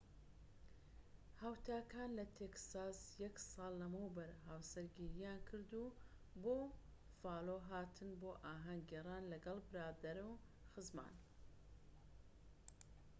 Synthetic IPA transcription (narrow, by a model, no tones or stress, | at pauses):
haːwt̪ʰaːkʰaːnlɐt̪ʰeksaːsjɛksɑːlˠːɐmɐwbɐɾɦaːwsɐɾɡiɾijaːnkʰɨɾd̪uː | boː | faːloːɦaːt̪ʰɨnboːʔaːɦɐŋɡerˤaːnlɐɡɐlˠbɨɾaːd̪ɐɾuw | xɨzma̰ːn